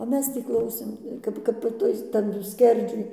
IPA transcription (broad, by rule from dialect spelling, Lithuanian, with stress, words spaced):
oː ˈmʲɛs ˈtʲiː ˈklˠɐʊsʲeːm ˈkɐp ˈkɐp ɪ ˈtʊɪs ˈtɑːdʊ ˈsʲkʲɛrʲd͡ʒʲʊj